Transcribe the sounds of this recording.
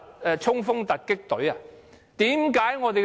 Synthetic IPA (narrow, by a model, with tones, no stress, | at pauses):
ɛ˨˧t͡ʃʰʊ˥ŋfʊ˥ŋt̪ɐ˨t̚kːɪ˥k̚t̪ɵ˨˥ɥa˨ | t̪iː˨˥mkaː˨˥jŋɔː˨˧t̪̬e˨